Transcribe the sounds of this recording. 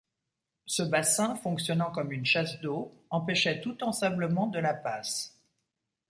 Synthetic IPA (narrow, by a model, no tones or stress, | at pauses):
səbasɛ̃fɔ̃ksjɔnɑ̃kɔmynʃasd̪oɑ̃pɛʃɛt̪ut̪ɑ̃sãbləmɑ̃d̪əlapas